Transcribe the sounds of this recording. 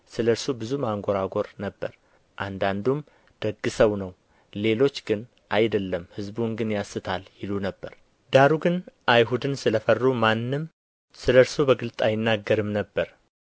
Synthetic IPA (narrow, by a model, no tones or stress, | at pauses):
sɨləɾsobɨzumaŋɡo̞ɾaɡo̞ɾnəbːəɾ | ʔand̪and̪um | d̪̥əɡːɨsəwnəw | le̞lo̞t͡ʃːɡ̥ɨn | ʔajd̪əlːəmhɨzbuŋɡɨnjasːɨt̪ʰaljɪlunəbːəɾ | d̪aɾuɡɨnʔajɦud̪ɨnsɨləfərːumanːɨm | sɨləɾsobəɡɨlt̪ʼajɪnːaɡːəɾɨmnəbːəɾ